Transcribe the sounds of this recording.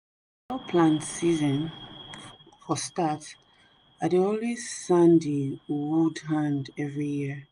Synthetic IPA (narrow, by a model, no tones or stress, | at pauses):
ɔpʰlãnsizɔ̃n | fɔstat | adiolisãndiwudhãndɛvɹijiə